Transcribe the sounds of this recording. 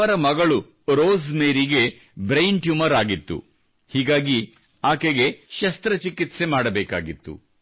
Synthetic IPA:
ɐɾɐmɐɡɐɭu | ɾoːzmeːɾiɡe̞ | bɾɐjɳʈjumɐɾaːɡit̪ːṵ | hiːɡaːɡi | aːkeɡe̞ʃɐst̪ɾɐt͡ʃikit̪se̞maːɽɐbɛːka̰ːɡit̪ːṵ

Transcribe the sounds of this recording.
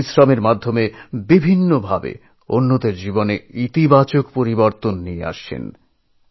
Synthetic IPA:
isɾameɾmad̪ʱːomebibʱinːobʱabḛ | onːod̪eɾd͡ʑiboneit̪ibat͡ɕokpoɾiboɾt̪onːiḛa̰ʃʰḛn

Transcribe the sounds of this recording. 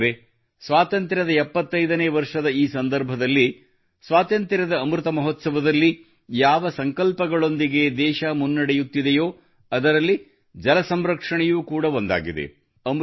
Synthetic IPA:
ɾe | sʋaːt̪ɐnt̪ɾɐd̪ɐɛpːɐt̪ːɐjd̪ɐneːʋɐɾʂɐd̪ɐiːsɐnd̪ɐɾbʱɐd̪ɐlːi | sʋaːt̪ɐnt̪ɾɐɾɐd̪ɐːmɾut̪ɐmɐɦot̪sɐʋɐd̪ɐlːi | jaːʋɐsɐŋkɐlpɐɡɐɭond̪iɡe̞d̪ɛːʃɐmunːɐɽɛjut̪ːid̪ɛjoː | ɐd̪ɐɾɐlːi | d͡ʒɐlɐsɐmɾɐkʂɐɳɛjuːkuːɽɐond̪a̰ːɡid̪ḛ | ɐm

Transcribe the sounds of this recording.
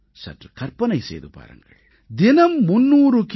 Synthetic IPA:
sɐ̰ʈkɐɾpɐnɐjsḛːd̪upa̰ːɾɐ̰ŋɡɐ̰ɭ | d̪inɐmːunːuːɾuk

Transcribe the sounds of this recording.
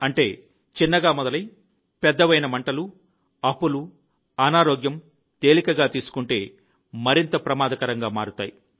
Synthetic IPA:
ɐɳʈe̞ː | t͡ʃinːɐɡaːmɔd̪ɐlɐj | pɛd̪ːɐʋɐjnɐmɐɳʈɐlu | ɐpːulu | ɐnaːɾoːɡjɐm | t̪e̞ːlikɐɡaːt̪iːsu̥kuɳʈe̞ː | mɐɾint̪ɐpɾɐmaːd̪ɐkɐɾɐŋɡaːmaːɾut̪a̰ːji

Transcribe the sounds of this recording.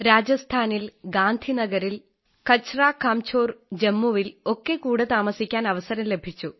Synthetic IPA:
ɾaːd͡ʑɐst̪ʰaːnilɡaːnd̪ʱinɐɡɐɾil | kɐt͡ɕːraːkaːmt͡ɕʰo̞ːrd͡ʑemːuʋilo̞kːe̞kuːɽet̪aːmɐsikʲːaːnɐʋɐsɐɾɐmlebʱit͡ɕːu

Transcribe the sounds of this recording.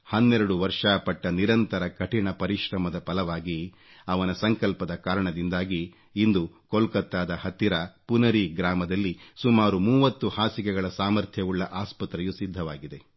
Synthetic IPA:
hɐnːɛɾɐɽuʋɐɾʂaːpɐʈːɐniɾɐnt̪ɐɾɐkɐʈiɳɐpɐɾiʃɾɐmɐd̪ɐpɐlɐʋaːɡi | ɐʋɐnɐsɐŋkɐlpɐd̪ɐkaːɾɐɳɐd̪ind̪aːɡiː | nd̪u | kolkɐt̪ːaːd̪ɐhɐt̪ːiɾɐpunɐɾiɡɾaːmɐd̪ɐlːisumaːɾumuːʋɐt̪ːuhaːsikɛɡɐɭɐsaːmɐɾt̪ʰjɐuɭːɐʔaːspɐt̪ɾɛjusid̪ʱːɐʋaːɡid̪e̞

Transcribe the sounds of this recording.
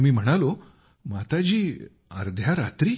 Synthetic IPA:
miːm̤əɽ̃alo | mat̪ad͡ʑiː | ə̰ɾd̪ʱjaɾat̪ɾiː

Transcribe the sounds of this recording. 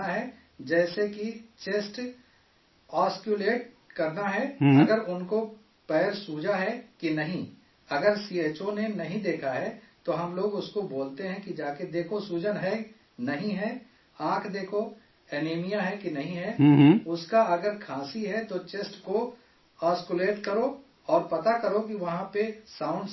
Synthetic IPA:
aɦɛ | d͡ʒɛːsekit͡ʃeːsʈ | aːskjuleːʈ̚ | kɐɾnaɦɛɐɡəɾʊnko | pɛːɾsuːd͡ʒaɦɛkinɐɦĩ | ɐɡəɾsiːeːt͡ʃonenɐɦĩd̪eːkʰaɦɛt̪oɦɐmloːɡʊskoboːlt̪eɦɛ̃kid͡ʒaːked̪eːkʰosuːd͡ʒənɦɛ | nɐɦĩɦɛ | ãːkʰd̪eːkʰo | ɛːneːmijaɦɛkinɐɦĩɦɛʊskaɐɡəɾkʰaːsiɦɛt̪ot͡ʃesʈko | aːskʊleːʈkɐɾoː | ɔːɾpɐt̪akɐɾokiʋɐɦãpesãːʊ̃ɳɖ

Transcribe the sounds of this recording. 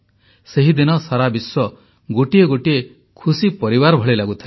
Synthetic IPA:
seɦid̪inɔsaɾabiswɔ | ɡoʈieɡoʈie | kʰusipɔɾibaɾbʱɔɭelaɡut̪ʰil

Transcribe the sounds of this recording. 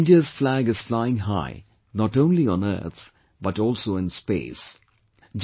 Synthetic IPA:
nɖiəzflæɡɨz̥flaɪɪ̃ŋɦa̰ɪ | nɔʈõʊ̃nliə̃nə̰ːɾt̪ʰ | bʌʈɔːlˠsoːɪ̃nspḛːs | d͡ʒ

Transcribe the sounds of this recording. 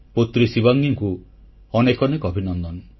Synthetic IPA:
pot̪ɾisibaŋjaŋku | ɔnekɔnekɔbʱinɔnd̪ɔn

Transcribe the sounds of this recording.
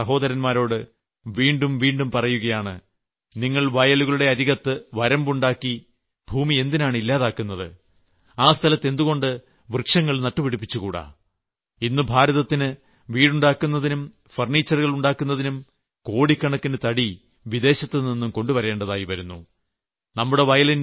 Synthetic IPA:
ɐɦo̞ːðɐɾɐnmaːɾo̞ːɽɨ | ʋiːɳɖumʋiːɳɖumpɐrɐjuɣɐjaːɳɨ̰ | niŋːɐɭʋɐjɐluɣɐɭuɽe̞ɐɾiɣɐt̪ːɨʋɐɾɐmbuɳɖaːkːi | b̥ʱuːmie̞nd̪inaːɳilːaːðaːkːunːɐðɨ̰ | aːst̪ʰɐlɐt̪ːe̞nd̪uɣo̞ɳɖɨ | ʋrkʂɐŋːɐɭnɐʈːupiɽipːit͡ɕːukuːɽɐ̰ | inːubʱaːɾɐðɐt̪ːinɨ | ʋiːɽuɳɖaːkːunːɐðinum | fɐrɳiːt͡ɕːɐrɣɐɭuɳɖaːkːunːɐðinum | ko̞ːɽikːɐɳɐkːinɨt̪ɐɽi | ʋid̪e̞ːɕɐt̪ːeninːumko̞ɳɖupɐɾe̞ːɳɖɐðaːjiʋɐɾunːu | nɐmːuɽe̞ʋɐjɐlin

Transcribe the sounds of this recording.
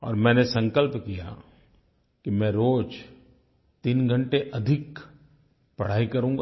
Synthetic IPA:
ɔ̰ːɾmɛ̃ːnesɐ̃ŋkəlpkija̰ | kimɛ̃ːɾoːd͡ʒ | t̪inɡʱə̃ɳʈeʔɐd̪ʱɪk | pɐɽ̤aːikɐɾũːŋɡa

